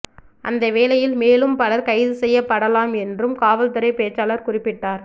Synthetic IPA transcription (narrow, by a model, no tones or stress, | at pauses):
ʔɐ̰nd̪ɐʋeːlɐjɪlmeːlɯmpɐlɐɾkɐɪðɯsɛjːɐpːɐɽɐlaːmɛndrɯmkaːʋɐlt̪ɯɾɐɪpeːt͡ʃːaːlɐɾkʊrɪpːɪʈːaːɾ